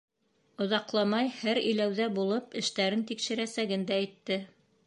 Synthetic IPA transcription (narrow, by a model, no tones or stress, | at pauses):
ŏðɑqlˠɑmɑjhæɾɵ̰̆jlæwðæbulˠɤpɘ̆ʃt̪æɾɘnt̪ikʃɘ̆ɾæsæɡɘnd̪æːjt̪ːɘ